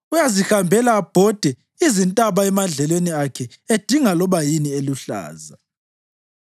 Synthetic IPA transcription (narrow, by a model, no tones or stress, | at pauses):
ujazixambʱɛlaːb̥ʱɔd̥ʱɛ | izintʼaβaɛmaɮɛlweniakʰɛ | ed̥ʱiŋalɔβajinieluɬa̰ːza